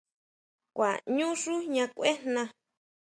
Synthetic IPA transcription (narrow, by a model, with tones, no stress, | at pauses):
kʷa̰˨ɲũ˦ʂu˦ɲã˧kʷe˦nnã˧